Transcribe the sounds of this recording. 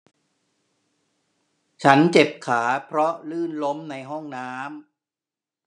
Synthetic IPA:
t͡ɕʰa˦˥nt͡ɕe˨˩p̚kʰaː˩˦pʰɾɔ˦˥lɯː˥˩nlo˦˥mna˧jɦɔ˥˩ŋnaː˦˥m

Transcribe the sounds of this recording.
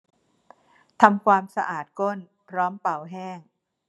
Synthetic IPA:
t̪ʰa˧mkʰwaː˧msa˧ʔaː˨˩t̪̚ko˥˩n | pʰɾɔː˦˥mpa˨˩wɦɛː˥˩ŋ

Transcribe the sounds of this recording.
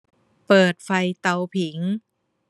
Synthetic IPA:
pɤː˨˩t̪̚fa˧jt̪a˧wpʰi˩˦ŋ

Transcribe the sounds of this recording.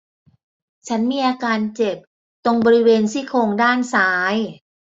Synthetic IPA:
t͡ɕʰa˦˥nmiː˧ʔaː˧kaː˧nt͡ɕe˨˩p̚ | t̪o˧ŋbɔː˧ɾi˦˥weː˧nsiː˦˥˩kʰoː˧ŋdaː˥˩nsaː˦˥j

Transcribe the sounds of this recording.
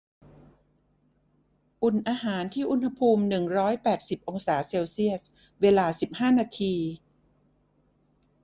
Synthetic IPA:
ʔu˨˩nʔaː˧ɦaː˩˦nt̪ʰiː˥˩ʔu˧˥nha˧pʰuː˧mnɯ˨˩ŋɾɔː˦˥jpɛː˨˩t̪̚si˨˩p̚ʔo˧ŋsaː˩˦seː˧wsi˥˩əs̚ | weː˧laː˧si˨˩p̚haː˥˩naː˧t̪ʰiː˧

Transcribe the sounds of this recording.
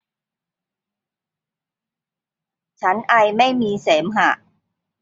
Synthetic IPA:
t͡ɕʰa˦˥nʔa˧jma˥˩jmiː˧seː˩˦mɦa˨˩ʔ

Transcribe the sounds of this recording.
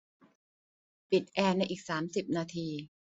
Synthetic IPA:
pi˨˩t̪̚ʔɛː˧na˧jʔiː˨˩k̚saː˩˦msi˨˩p̚naː˧t̪ʰiː˧

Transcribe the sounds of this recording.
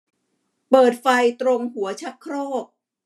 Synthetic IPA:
pɤː˨˩t̪̚fa˧jt̪ɾo˧ŋɦu˩˦ɐt͡ɕʰa˦˥kʰɾoː˥˩p̚

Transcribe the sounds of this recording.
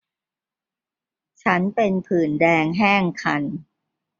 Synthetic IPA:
t͡ɕʰa˦˥npe˧npʰɯː˨˩ndɛː˧ŋɦɛː˥˩ŋkʰa˧n

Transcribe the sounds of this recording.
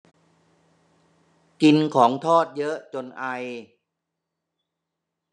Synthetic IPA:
ki˧nkʰɔː˩˦ŋt̪ʰɔː˥˩t̪̚jɤ˦˥ʔt͡ɕo˧nʔa˧j

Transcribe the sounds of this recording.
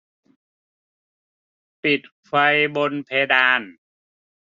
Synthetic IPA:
pi˨˩t̪̚kʰfa˧jbo˧npʰeː˧daː˧n

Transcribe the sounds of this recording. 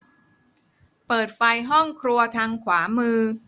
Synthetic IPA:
pɤː˨˩t̪̚fa˧jɦɔ˥˩ŋkʰɾu˧ɐt̪ʰaː˧ŋkʰwaː˩˦mɯː˧

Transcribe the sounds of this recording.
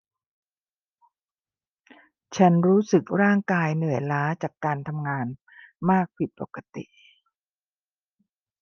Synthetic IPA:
t͡ɕʰa˦˥nɾuː˦˥sɯ˨˩k̚ɾaː˥˩ŋkaː˧jnɯ˨˩˦əjlaː˦˥t͡ɕaː˨˩kːaː˧nt̪ʰa˧mŋaː˧n | maː˥˩k̚pʰi˨˩t̪̚po˨˩kːa˧t̪ḭ˨˩ʔ

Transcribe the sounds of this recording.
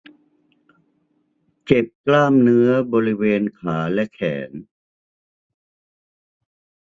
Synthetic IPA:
t͡ɕe˨˩p̚klaː˥˩mnɯ˦˥ɐbɔː˧ɾi˦˥weː˧nkʰaː˩˦lɛ˦˥kʰɛ̰ː˩˦n

